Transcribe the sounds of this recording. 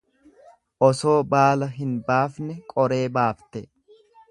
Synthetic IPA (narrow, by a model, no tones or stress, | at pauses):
ʔɔso̞ːbaːlɐɦɪnbaːfnɛkʼɔɾe̞ːbaːft̪ɛ